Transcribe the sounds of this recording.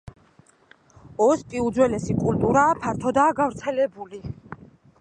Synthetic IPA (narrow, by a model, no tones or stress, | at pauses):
ɔspʼiud̪zwɛlɛsikʼult̪ʼuɾaːpʰaɾt̪ʰɔd̪aːɡavɾt̪sʰɛlɛbuli